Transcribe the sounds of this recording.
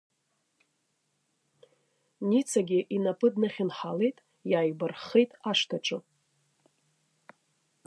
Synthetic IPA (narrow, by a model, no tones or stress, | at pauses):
nit͡sʰaɡʲɪʔinapʰɨdnɨχʲɪnħalejtʼ | jaːjbarχejtʼaʂtʰaʈ͡ʂʷʼɨ